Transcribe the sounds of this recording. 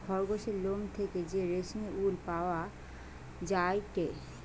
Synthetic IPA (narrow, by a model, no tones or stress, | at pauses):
ɡʱɔɾɡoʃelomt̪ʰeked͡ʑeɾeʃneʔulpaoa | d͡ʑaeke